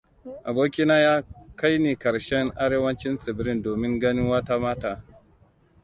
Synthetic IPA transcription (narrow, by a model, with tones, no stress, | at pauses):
ʔa˨boː˦kʲi˦naː˦jaː˦ka˦jniː˨kɐ˨ɾʃɛ˦ŋʔa˦ɽeː˦wɐ˦nt͡ʃɪ˦nsɪ˨bɾɪ˦˨ndoː˨mɪ˦ŋɡɐ˦nɪ˦ŋwa˦taː˦maː˦taː˦